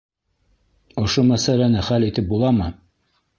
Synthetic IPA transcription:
ŏʃomæsælænɘχælit̪ɘp̚bulˠɑmɤ

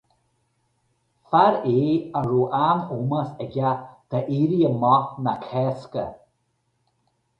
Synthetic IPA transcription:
faɾeːəɹuːʔanuməsɛɡʲad̪̥əʔiɾiəmɔnakʰɛskə̰

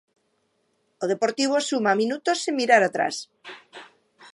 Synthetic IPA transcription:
oð̞epoɾt̪iβ̞osumamĩnut̪osːimiɾaɾat̪ɾa̰s

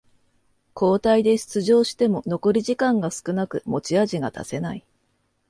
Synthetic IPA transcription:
kʰo̞ːt̪aid̪e̞ɕi̥t͡sɨʑo̞ːɕi̥t̪e̞mo̞no̞ko̞ɾʲiʑikãŋɡasɨ̥kɯ̟nakɯ̟mo̞t͡ɕiaʑiɡat̪a̰se̞nai

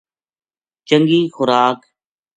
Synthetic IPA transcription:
t͡ʃəŋɡiːxʊɾaːk

